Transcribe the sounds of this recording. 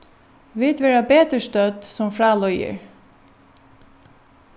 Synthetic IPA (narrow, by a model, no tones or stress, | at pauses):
ʋɪːt̪ʋeːɹabeːt̪əʂt̪œd̪sɔmfɾɑːlɔʏə̰ɹ